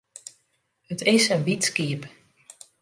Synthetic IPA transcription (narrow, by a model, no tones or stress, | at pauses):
hətɪsənʋitskiəp